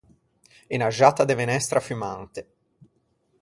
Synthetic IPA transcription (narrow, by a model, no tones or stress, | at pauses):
inaʒaːt̪ad̪evenɛst̪ɾafymant̪e